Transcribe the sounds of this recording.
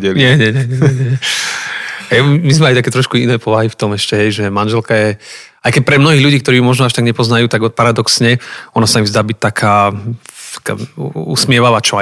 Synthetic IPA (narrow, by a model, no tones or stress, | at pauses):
ɛɲɛɲɛɲɛɲɛɲɲɛɲɛ | ɛjimizmɛajt̪akɛːt̪ɾɔʃkuinɛːpɔʋaɦift̪ɔmɛʃcɛɦɛjʒɛmanʒɛlkajɛ | ajkɛc̚pɾɛmnɔɦiːʎuɟiːkt̪ɔɾiːumɔʒnɔaʃt̪aɡɲɛpɔznajuːt̪aɡpaɾad̪ɔksɲɛɔnasaimzd̪aːbic̚t̪akʰaːtt̪ḁka̰ːṵsmɪɛʋaʋaːt͡ʃɔa